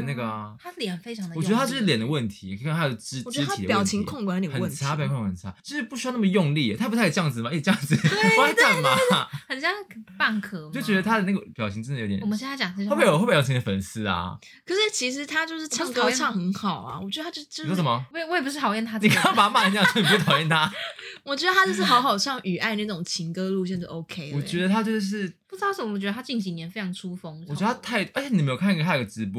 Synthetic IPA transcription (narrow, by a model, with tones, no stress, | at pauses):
na˥˩ɡə˩t̪ʰa˥ljɛ˨˩˨n˩fe˥ɪʈ͡ʂʰɑ˧˥ŋd̪ɔ˨˩jɛ˧˥də˧t̪ʰa˥jʂɻ̩˥ljɛ˨˩nd̪ə˦wə˥˩nt̪ʰi˧˦kə˥nt̪a˥˩o˥˩˥w̩̪˨˧˥a˥i˨d̪əpjɑ˨˥˩ʊt͡ɕʰi˧˥ŋkʰŋkwa˧˥nli˨˩ə˨˧wə˥˩nʰ˨˥pːkʰka˧˩nʰ˧a˥˦t͡ɕo˥˧ʂɻ̩˥˧pu˥˩ɕ̬y˥ɑ˥˧n˥mə˨jo˥˧ŋli˥˩ə˨˩a˥˩pu˧˥˩jɑ˥˩ŋd͡zɹ̩˩ma˨˩e˥˧˩t͡ɕjɑ˥˧ŋd͡zɹ̩˨˩wa˥a˥˩nma˨xə˨˩nɕjɑ˥˧ŋ˩pa˥˩nkʰɤ˥˩t͡ɕo˥˩˨t͡ɕɥɛ˧ə˧t̪ʰa˥d̪ə˨na˥˩ɡə˩pjɑ˨˩ʊi˧˦ŋt͡ɕə˥nd̪o˧˥t̪ɛ̰˨˩˨ɕjɛ˥˧n˥a˥t͡ɕɑ˨˩ŋ˥˧˥xpːjɑ˥˩t͡ɕi˧˦˥d̪ə˩fə˨˩ns̩˥ɐ̰˨˩ | kʰə˨˩ʂɻ̩˥˩t͡ɕʰi˧˥ʂ̬ɻ̩˧˦t̪ʰa˥t͡ɕjo˥˧ʊʂɻ̩˥˩t͡ɕʰɑ˥˧ŋʰkə˧˥t͡ɕʰɑ˥˩ŋxə˧˥nxɑ˨˩ʊɐ̰˩wɔ˨˩t͡ɕɥɛ˧˥d̪ə˧˥jo˥˧˥t͡ɕjʂə˨˩mɐ˨˩we˥˩wpu˥ʂɻ̩˥t̪ʰɑ˨˩ʊjɛ˥˩nt̪ʰa˥ni˨ka˥˩pa˨˩a˥ma˥˩ə˧˥t͡ɕja˥˩˥ni˨˩p̪ʰɑ˨˩jɛ˥˩nt̪ʰa˦˥wɔ˨˩t͡ɕɥɛ˧˥də˧a˦˥t͡ɕjo˥˧ʂɻ̩˥˩xɑ˧˥ʊxɑ˨˩ʊɕjɑ˥˩ŋy˨˩a˥˧ɪna˥˩ʈ͡ʂʊ˨˩ŋt͡ɕʰi˧˥ŋkɤ˥lu˥˧ɕjɛ˥˧nʈ͡ʂə˥˩ʔo˧˥ʊkʰe˥ɪwɔ˨˩t͡ɕɥɛ˧˥d̪ə˧t̪ʰa˦˥t͡ɕjo˥˧ʊʂʂ̬ɻ̩˥˩pu˥˩˥ɑ˥ʂə˨˩m˦wt͡ɕɛ˧d̪ə˧t̪ʰa˥t͡ɕi˥˩ŋɕ̬i˧˥njɛ˧˥nfe˥ɑ˧˥ŋʈ͡ʂʰu˥fo˥ŋ˨˧˨ɥ̪ə˩a˥t̪ʰa˥˩ɪʔə˧˥t͡ɕʰjni˨me˧˥jkʰa˥˧nʰ˧˥a˥˩ɡə˩ʈ͡ʂɻ̩˧˥pɔ˧˥